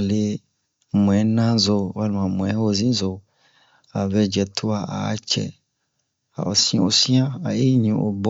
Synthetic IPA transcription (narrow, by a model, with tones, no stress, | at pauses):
le˨ | mũ˨ɛ˨˦nã˦zo˨wa˦lmã˨mũ˨ɛ˦o˨zĩ˦zo˨ | a˨vɛ˦d͡ʒɛ˨t̪ʰo˦a˨ʔa̰˨a̰˦t͡ʃɛ̰˨ | a̰˨ɔ̰˨sĩ˦o̰˨sĩ˦ã˦a˨je˦ɲĩ˨ʔo̰˨bɔ˦